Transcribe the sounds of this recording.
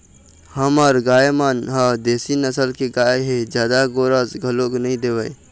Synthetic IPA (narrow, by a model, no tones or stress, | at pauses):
həmaɾɡaːemanɦad̪eːsinəsəlkeɡaːeɦed͡ʒjaːd̪aɡoːɾəzɡʱɐloːknɐɦĩd̪eːʋəe